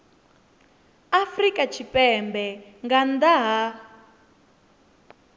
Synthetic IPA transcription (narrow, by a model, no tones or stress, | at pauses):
afrikʼat͡ʃʰipʼɛmbɛŋɡand̪aɦa